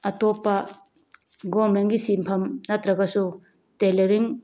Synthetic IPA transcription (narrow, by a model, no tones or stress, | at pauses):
ɐtopːɐ | ɡoɾmenɡisimpʰɐmnɐtɾɐɡɐsu | teleɾiŋ